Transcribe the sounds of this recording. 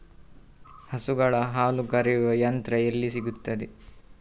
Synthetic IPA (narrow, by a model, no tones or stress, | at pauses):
hɐsuɡɐɭɐɦaːlukɐɾijuʋɐjɐnt̪ɾɐelːisiɡut̪ːɐd̪e